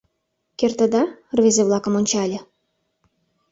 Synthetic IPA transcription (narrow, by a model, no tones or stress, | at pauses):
kert̪ə̆d̪ɑrvezeβlɑkə̆monʲt͡ɕɑlʲĕ